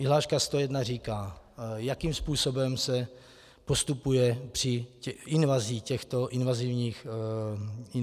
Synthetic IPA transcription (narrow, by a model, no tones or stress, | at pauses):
ɪɦlaːʃkast̪o̞jɛdnariːkaː | jakimspuːso̞bɛmsɛ | po̞st̪upujɛpr̝̥ɪɪnvaziːcɛxt̪o̞ʔɪnvazivɲiːx